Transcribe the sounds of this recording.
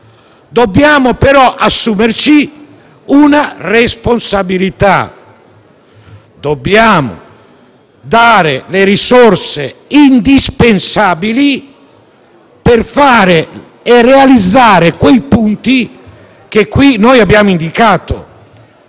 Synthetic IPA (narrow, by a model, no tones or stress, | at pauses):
d̪objaːmʊpɛɾɔʔasːuːmert͡ʃi | unarɛsponsabilit̪a̰ | d̪obːjaːmo̰ | d̪aːɾeleɾisɔrseind̪ispensaːbili | perfaːɾe | ɛrːɛalid̪zːaːɾekwejpunt̪i | k̟ekːwinːɔːjabːjaːmoind̪ikaːt̪o̰